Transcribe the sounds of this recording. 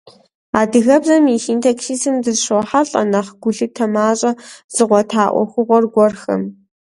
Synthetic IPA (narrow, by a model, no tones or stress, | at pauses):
aːdɨɣɐbzɐmixintʰɐksiːsɨmdɨzɕoħaɬʼɐ̰nɐχɡ̥ʷʊɮɨtʰɐmaːɕʼɐz̥ɨʁʷɔtʰaːʔʷɔ̰xʷʊʁʷɔrɡʷɔrxɐ̰m